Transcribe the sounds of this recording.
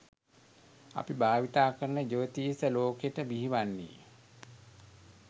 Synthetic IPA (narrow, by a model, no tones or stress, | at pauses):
a̰pibaːʋit̪aːkəɾnəd͡ʒoʋət̪isəloːkeʈəbiɦiʋanːḭː